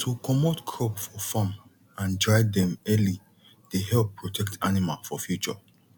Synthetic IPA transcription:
tʰukʰɔmotkʰɹɔpfɔfãm | ãndɹaɪdɛ̃mɛli | d̥eɦɛlppʰːɹɔtʰɛk̚tanimalfɔfjut͡ʃɔ

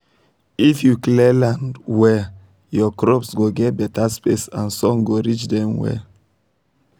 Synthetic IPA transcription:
ifjuklɛlãndwɛ | jɔkɹɔpsɡoɡɛt̚bɛtaspesãnsɔ̃ŋɡoɹit͡ʃdɛ̃mwɛ̰

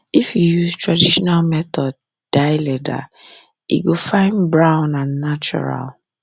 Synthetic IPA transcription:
ifjujuztɹadiʃɔnalmɛtɔd | d̥aɪlɛda̰ | ḭɡofãɪnbɹãʊ̃nãnːat͡ʃɔ̰ɹa̰l

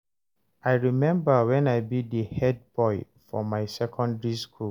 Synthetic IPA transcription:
aɪɹimɛ̃mbəwɛ̃naɪbidihɛd̚bɔɪ | fɔmaɪsɛkʰɔ̃ndɹiskʰu

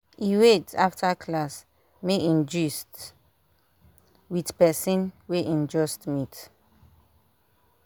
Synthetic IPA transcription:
iwetaftʰakʰlas | meʔĩnd͡ʒist | widpɛsɔ̃nweʔĩnd͡ʒɔstmit

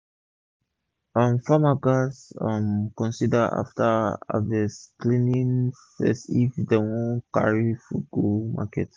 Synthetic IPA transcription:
ʌ̃mfamaɡasmkɔ̃nsidəʔa̰ftəa̰vɛsklĩnĩnfɛ̰sifdewɔ̃nka̰ɹifuɡoma̰kɛt

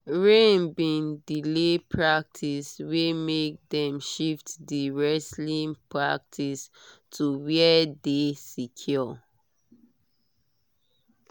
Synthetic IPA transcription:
ɹẽnbĩndilepʰɹak̚tʰiswemek̚dɛ̃mʃiftdiɹɛslĩnpʰɹak̚tʰistʰuwɛdesikʰjɔ

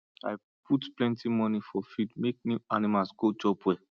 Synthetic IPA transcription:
a̰ɪ | pʰutplɛ̃ntʰimɔnifɔfidmek̚nianimalsɡ̥od͡ʒɔpwɛ

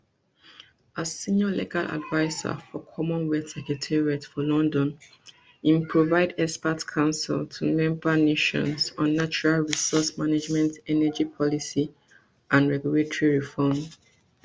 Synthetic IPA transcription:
asĩnɔlḛɡalʔa̰dvaɪza̰fɔkʰɔmɔ̃nwɛtsɛkɹɛtʰɛɹiatfɔlɔ̃ndɔ̃n | ĩmpʰɹovaɪdɛspatkʰãʊ̃nsḭltʰumɛ̃mbaneʃɔ̰̃nsɔ̃nːat͡ʃuɹalɹisɔsmaned͡ʒmɛ̃ntɛnəd͡ʒipʰɔlisi | ãnɹɛɡjuletɔɹiɹifɔm

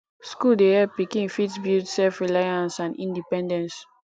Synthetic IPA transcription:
skuldehɛpikĩnfitsbidsɛlfɹilajãnsãnḭ̃ndipɛ̃ndɛ̃ns

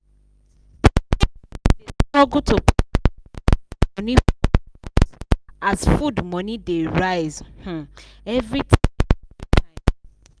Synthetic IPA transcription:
etɔɡutʰop | ɔnĩ | azfudmɔ̃nĩdeɹaɪzh̩ | ɛvɹitʰ | ta

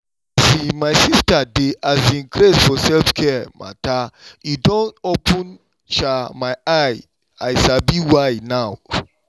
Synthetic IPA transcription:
simajsistadeazĩnkɾesfɔsɛlfkʰɛmʔa̰taidɔ̃nopʰũn | ʃamajaj | ajsabiwajnaw

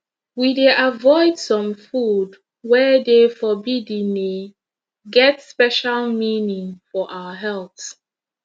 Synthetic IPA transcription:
wideʔavɔɪdsɔ̃mfud | wɛdefɔbidĩni | ɡɛtspɛʃalminĩŋfɔʔawəɦɛlˠθs

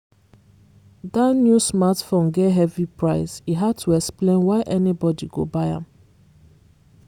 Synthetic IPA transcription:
danjusmatfõnɡeɦɛvipɹaɪsiɦad̚tʰuɛksplẽnwaɪʔɛnibɔdiɡo̰baɪã̰m

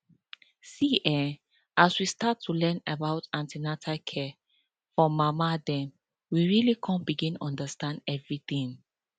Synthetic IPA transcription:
siʔɛ | ʔaswistatʰːulɛ̃nabaʊtãntinatʰakʰɛ | fɹɔ̃mːamadɛ̃m | wiɹilikʰɔ̃nbiɡĩnɔ̃ndəstãndɛvɹiθĩŋ

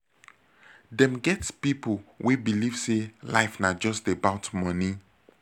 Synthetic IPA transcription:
dɛ̃mɡɛtspipolwʔebiliv̥sela̰ɪfnad͡ʒɔstebaʊtmɔni

